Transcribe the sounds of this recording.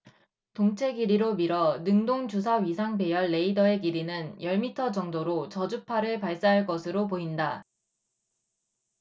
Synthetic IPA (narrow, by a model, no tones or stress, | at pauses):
toŋt͡ɕʰe̞ɡiɾiɾomiɾʌnɯŋdoŋd͡ʑus̬ʰaɥisʰaŋbe̞jʌɭːe̞idʌe̞ɡiɾinɯnjʌɭmitʰʌd͡ʑʌŋdoɾot͡ɕʌd͡ʑupʰaɾɯɭpaɭs͈aɦaɭk͈ʌsʰɯɾopoinda